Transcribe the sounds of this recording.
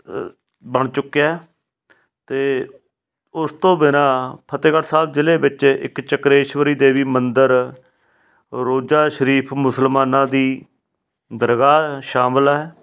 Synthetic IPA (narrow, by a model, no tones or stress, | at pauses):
bəɳt͡ʃʊkːjaːɦɛ | t̪eː | ʊst̪õːbɪnãːpʰət̪eːkəʈsaːb̚d͡ʒɪleːbɪt͡ʃɪ̰kt͡ʃəkɾeːʃʋəɾiːd̪eːʋiːmənd̪əɾ | ɾoːd͡ʒaːʃəɾiːpʰmʊsəlmaːnãːd̪iː | d̪əɾɡaːʃaːmlɛː